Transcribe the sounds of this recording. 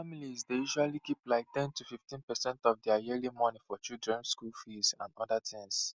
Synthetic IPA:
amilizdejuʃwalikiplaɪk̚tɛ̃ntʰufiftĩnpɛsɛ̃ntɔvdɛajilimɔnifɔt͡ʃildɹɛ̃nskulfizã̰nɔdətʰĩŋs

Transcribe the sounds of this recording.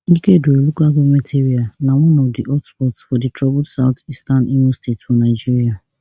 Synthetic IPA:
ikedoolukaɡometʰeɾianawɔ̃nɔfdiʔɔtspɔtsfɔditɾɔblsaʊt̪istanimostetfɔnaɪd͡ʒiɾia

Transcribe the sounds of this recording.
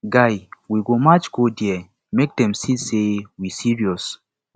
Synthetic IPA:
ɡajwiɡomat͡ʃɡodiɛ | mek̚dɛ̃msisewisiɹiɔs

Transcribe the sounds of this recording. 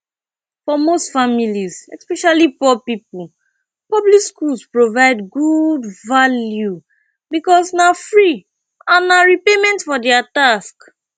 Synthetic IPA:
fɔmostfamilizɛ̰spɛʃalipɔpipul | pɔblikskulspɹovaɪdɡudvalju | bikɔsnafɹi | ãnaɹipemɛ̃ntfɔdɛatask

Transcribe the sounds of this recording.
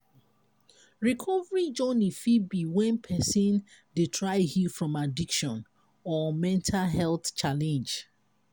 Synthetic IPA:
ɹikʰɔvəɹid͡ʒɔnifibiwɛ̃npʰɛsĩnditʰɹaɪhifɹɔ̃madikʃɔ̃n | ɔmɛ̃ntʰalɦɛlθt͡ʃalɛ̃nd͡ʒ

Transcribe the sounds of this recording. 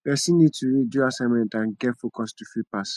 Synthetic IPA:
jɛsinid̚tʰuɹiduasãɪmɛ̃ntãnɡɛtfokɔstufipas

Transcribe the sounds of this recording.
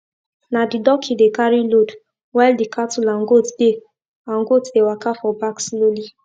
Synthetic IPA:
nadidɔkʰidekaɾilod | waldikʰatulaŋ̩ɡotbek | aŋɡotdewakafɔbaksloli

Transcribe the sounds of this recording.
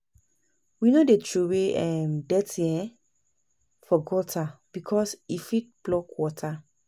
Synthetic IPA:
winodetɹuweʔɛmdɛtʰiɛ̃ | fɔɡɔtʰab̥ikʰɔsifit̚b̥lɔkwɔtʰa

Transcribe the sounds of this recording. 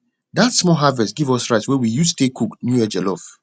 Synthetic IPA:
datsmɔɦavɛstɡivɔsɹaɪtswɛwijustekʰuknjuɛd͡ʒɛlɔf

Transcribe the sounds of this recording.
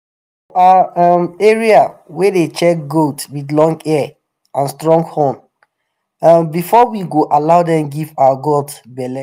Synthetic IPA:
uaamɛɹiawɛdet͡ʃɛk̚ɡotwidlɔ̃ŋɡɛ | ãnstɹɔ̃ŋɡhɔ̃n | ambifɔwiɡoʔalaʊdɛ̃mɡivaaɡoltbɛlɛ

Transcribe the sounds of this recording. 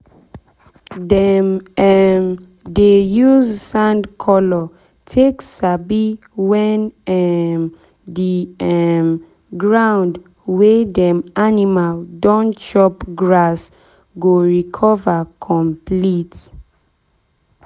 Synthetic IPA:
dɛmɛm | dejuzsãndkʰɔlɔ | tʰeksabi | wɛ̃nɛm | diɛm | ɡɹãʊnd | wedɛmanimaldɔ̃nt͡ʃɔpɡɹas | ɡoɹikʰɔvakʰɔ̃mplit

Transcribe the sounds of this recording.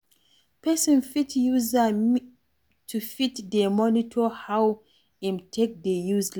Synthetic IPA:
pɛsɔ̃nfitjuza | tʰufitdəmɔnitʰɔhaw | ɛ̃mtʰek̚dejuzl

